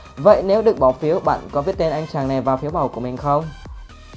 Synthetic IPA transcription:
və̰˧˨jne˨˦wɗɨ˨˩ək̚ɓɔ˧˩wfi˨˦əwɓa̰ː˧˨nkɔ˨˦vi˦˥t̚t̪e˧nʔa˧jŋ̟t͡ɕaː˨˩ŋna˨˩jvaː˨˩wfi˨˦əwɓa˨˧˩wku˧˩əmï˨˩ŋ̟xə˧wŋ͡m

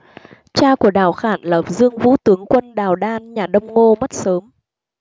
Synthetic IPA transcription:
t͡ɕaː˧ku˧˩əɗaː˧˩wxaː˧˩nləː˨˩p̚zɨ˧əŋvṵ˧˥t̪ɨ˨˦əŋkwə˧nɗaː˨˩wɗaː˧nɲaː˨˩ɗə˧wŋ͡mŋo˧mə˦˥t̚səː˨˦m

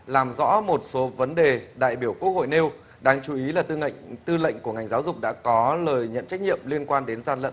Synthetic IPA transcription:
laː˨˩mzɔ̰˧˥mo˨˩t̚so˨˦və˨˦nɗe˨˩ɗa̰ː˧˨jɓi˧˩əwku˦˥ək̚ho̰˧˨jne˧w | ɗaː˧ŋt͡ɕu˨˦i˨˦laː˨˩t̪t̪ɨ˧lə̰˧˨jŋ̟ku˧˩əŋa˨˩jŋ̟zaː˨˦wzʊ˨˩k͡p̚ɗa̰ː˧˥kɔ˨˦ləː˨˩jɲə̰˧˨nt͡ɕa˦˥jk̟̚ɲḭ˧˨əmli˧ənkwaː˧nɗe˨˦nzaː˧nlə̰˧˨

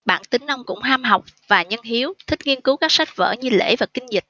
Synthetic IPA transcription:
ɓa̰ː˧˨nt̪ï˨˦ŋ̟na˧wŋ͡mkʊ̰˧˥ŋ͡mɦaː˧mɦɔ˨˩wk͡p̚vaː˨˩ɲə˧nɦi˨˦əwt̪ʰï˦˥k̟̚ŋi˧ənkɨ˨˦wkaː˦˥k̚sa˦˥jk̚və̰ː˧˩ɲɨ˧lḛ˧˥vaː˨˩kï˧ŋ̟zï˨˩k̚

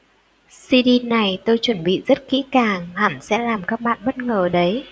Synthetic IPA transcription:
si˧ɗi˧na˨˩jt̪o˧jt͡ɕwə˧˩nɓḭ˧˨zə˦˥t̚kḭ˧˥kaː˨˩ŋha˨˩msɛ̰˧˥laː˨˩mkaː˦˥k̚ɓa̰ː˧˨nɓə˦˥t̚ŋəː˨˩ɗə˨˦j

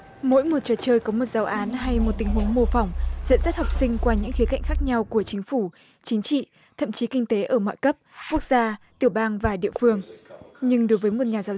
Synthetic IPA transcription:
mo̰˧˥jmo˨˩t̚t͡ɕɔː˨˩t͡ɕəː˧jkɔ˨˦mo˨˩t̚zaː˨˦wʔaː˨˦nɦa˧jmo˨˩t̚t̪ï˨˦ŋɦu˨˦ŋmo˧fɔ˧˩wŋ͡mzḭ˧˨nza˦˥t̚hɔ˨˩p̚sï˧ŋ̟kwaː˧ɲɨ̰˧˥ŋxi˨˦ka̰˧˨jŋ̟xaː˦˥k̚ɲa˧wku˧˩ət͡ɕï˨˦ŋ̟fu˧˩ | t͡ɕï˨˦ŋ̟t͡ɕḭ˧˨ | t̪ʰə̰˧˨mt͡ɕi˨˦kï˧ŋ̟t̪e˨˦ʔəː˧˩mɔ̰˧˨jkə˦˥p̚ku˦˥ək̚z̥aː˧t̪i˧˩əɓaː˧ŋvaː˨˩ɗḭ˧˨əfɨ˧əŋɲɨ˧ŋɗo˨˦jvəː˨˦jmo˨˩t̚ɲaː˨˩zaː˨˦w

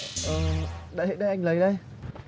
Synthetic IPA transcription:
ʔəː˨˩ɗa̰ː˧˨ɦḛ˧˨˩ɗə˧jʔa˧jŋ̟lə˨˦jɗə˧j

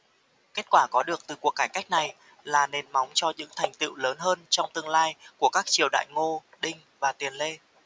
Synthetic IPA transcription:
ke˦˥t̚kwaː˧˩kɔ˨˦ɗɨ˨˩ək̚t̪ɨ˨˩ku˨˩əkːaː˧˩jka˦˥k̚na˨˩j | laː˨˩ne˨˩nma˨˦wŋ͡mt͡ɕɔ˧ɲɨ̰˧˥ŋt̪ʰa˨˩jŋ̟t̪ḭ˧˨wləː˨˦nɦəː˧nt͡ɕɔ˧wŋ͡mt̪ɨ˧əŋlaː˧jku˧˩əkaː˦˥k̚t͡ɕi˨˩əwɗa̰ː˧˨jŋo˧ɗï˧ŋ̟vaː˨˩t̪i˨˩ənle˧

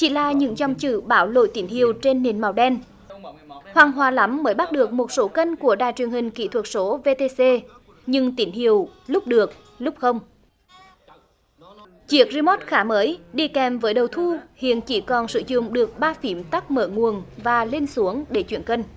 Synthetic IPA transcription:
t͡ɕḭ˧˩˦la̰ː˧˨˩ɲɨ̰˧˥ŋzɔ˨˩wŋ͡mt͡ɕɨ̰˧˨ɓaː˨˦wlo̰˧˨jt̪i˨˦nhi˨əwt͡ɕe˧nːe˨˩nma˨˩wɗɛ˧n | hwaː˨˩ŋɦwaː˨˩la˨˦mːəː˨˦jɓa˦˥t̚ɗɨ˨˩ək̚mo˨˩t̚so˨˦kə˧nku˧˩əɗa̰ː˧˨jt͡ɕwi˨˩ənhï˨˩ŋ̟kḭ˧˨t̪ʰwə˨˩t̚so˨˦ve˧t̪e˧se˧ | ɲɨ˧ŋt̪i˨˦nhi˧˨əwlʊ˦˥k͡p̚ɗɨ˨˩ək̚ | lʊ˦˥k͡p̚xə˧wŋ͡m | t͡ɕi˦˥ək̚zi˧mo˦˥t̚xaː˨˦məː˨˦jɗi˧kɛ˨˩mvəː˨˦jɗə˨˩wt̪ʰu˧hḭ˧˨ənt͡ɕi˧˩kɔ˨˩nsɨ̰˧˨zʊ̰˧˨ŋ͡mɗɨ˨˩ək̚ɓaː˧fi˨˦əmt̪a˦˥k̚məː˧˩ŋu˨˩ənvaː˨˩le˧nsu˨˦əŋɗe˧˩t͡ɕwi˧˩ənkə˧n

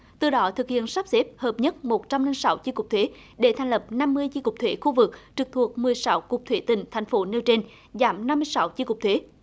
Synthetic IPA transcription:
t̪ɨ˨˩ɗɔ˨˦t̪ʰɨ˨˩k̚hḭ˧˨ənsa˦˥p̚zɛ˦˥p̚həː˨˩p̚ɲə˦˥t̚mo˨˩t̚t͡ɕa˧mli˧ŋsa˨˦wt͡ɕi˧kʊ˨˩k͡p̚t̪ʰwe˨˦ | ɗe˧˩t̪ʰa˨˩ŋ̟lə˨˩p̚na˧mːɨ˧əjzi˧kʊ˨˩k͡p̚t̪ʰwe˨˦xu˧vɨ˨˩k̚t͡ɕɨ˨˩k̚t̪ʰu˨˩ək̚mɨ˨˩əjsa˨˦wkʊ˨˩k͡p̚t̪ʰwe˨˦t̪ï˨˩ŋ̟t̪ʰa˨˩jŋ̟fo˨˦ne˧wt͡ɕe˧n | zaː˨˩˦mna˧mːɨ˧əjsa˨˦wzi˧kʊ˨˩k͡p̚t̪ʰwe˨˦

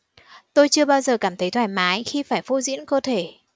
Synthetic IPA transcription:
t̪o˧jt͡ɕɨ˧əɓaː˧wzəː˨˩kaː˧˩mt̪ʰə˨˦jt̪ʰwaː˧˩jmaː˨˦jxi˧faː˧˩jfo˧zḭ˧˥ənkəː˧t̪ʰe˧˩

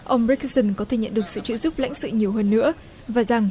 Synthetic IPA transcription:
ʔə˧wŋ͡mɹi˦˥k̚sə˧˩nkɔ˨˦t̪ʰe˨˩ɲə̰˧˨nɗɨ˨˩ək̚sɨ̰˧˨t͡ɕɨ̰˧˥zu˦˥p̚la̰˧˥jŋ̟sɨ̰˧˨ɲi˨˩əwɦəː˧nːɨ̰˧˥ə | vaː˨˩za˨˩ŋ

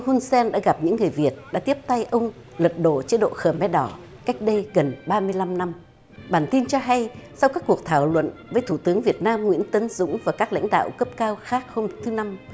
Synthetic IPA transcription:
hu˧nsɛ˧nɗa̰ː˧˥ɣa˨˩p̚ɲɨ̰˧˥ŋːɨ˨˩əjvi˨˩ət̚ɗa̰ː˧˥t̪i˦˥əp̚t̪a˧jʔə˧wŋ͡m | lwə˨˩t̚ɗo̰˧˨t͡ɕi˨˧˦ɗo̰˧˨xəː˧˩mɛ˨˧˥ɗɔ˧˩ | ka˦˥jk̟̚ɗə˧jɣə˨˩nɓaː˧mɨ˧əjla˧mna˧m | ɓaː˧˩nt̪i˧nt͡ɕɔ˧ɦa˧jsa˧wkaː˦˥kːu˨˩ək̚t̪ʰaː˧˩wlwə̰˧˨nvəː˨˦jt̪ʰu˧˩t̪ɨ˨˦əŋvi˨˩ət̚naː˧mŋwḭ˧˥ənt̪ə˨˦nzʊ̰˧˥ŋ͡mvaː˨˩kaː˦˥k̚la̰˧˥jŋ̟ɗa̰ː˧˨wkə˦˥p̚kaː˧wxaː˦˥k̚ho˧mt̪ʰɨ˨˦na˧m

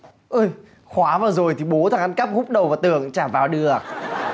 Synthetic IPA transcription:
ʔɨː˧˩j | xwaː˨˦vaː˨˩wzo˨˩jt̪ʰi˨˩ɓo˨˦t̪ʰaː˨˦ŋʔa˨˦nka˦˥p̚hu˦˥k͡p̚ɗə˨˩wvaː˨˩wt̪ɨ̰˧˨əŋt͡ɕaː˧˩vaː˨˩wɗɨ˨˩ə

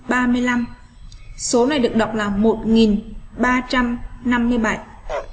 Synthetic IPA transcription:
ɓaː˧mɨ˧əjla˧m | so˨˦na˨˩jɗɨ˨˩ək̚ɗa̰˨wk͡p̚laː˨˩mo˨˩t̚ŋi˨˩nɓaː˧t͡ɕa˧mna˧mːɨ˧əjɓa˧˩j

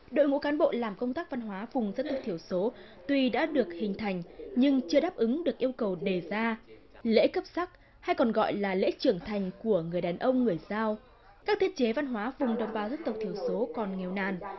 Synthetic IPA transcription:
ɗo̰˧˨jŋṵ˧˥kaː˨˦nɓo̰˧˨laː˨˩mkə˧wŋ͡mt̪aː˦˥k̚va˧nɦwaː˨˦vʊ˨˩ŋ͡mzə˦˥t̪̚t̪i˧˩əwso˨˦ | t̪wi˨˩ɗa̰ː˧˥ɗɨ˨˩ək̚hï˨˩ŋ̟t̪ʰa˨˩jŋ̟ɲɨ˧ŋt͡ɕɨ˧əɗaː˦˥p̚ʔɨ˨˦ŋɗɨ˨˩ək̚ʔi˧əwkə˨˩wɗe˨˩zaː˧ | lḛ˧˥kə˦˥p̚sa˦˥k̚ | ha˧jkɔ˨˩nɣɔ̰˧˨jlaː˨˩lḛ˧˥t͡ɕɨ˧˩əŋt̪ʰa˨˩jŋ̟ku˧˩əŋɨ˨˩əjɗaː˨˩nʔə˧wŋ͡mŋɨ˨˩əjzaː˧w | kaː˦˥k̚t̪ʰi˦˥t̚t͡ɕe˨˦va˧nɦwaː˨˦vʊ˨˩ŋ͡mɗə˨˩wŋ͡mɓaː˨˩wzə˦˥t̚t̪ə˨˩w̚t̪ʰi˧˩əwso˨˦kɔ˨˩nŋɛ˨˩wna̰ː˧˨n

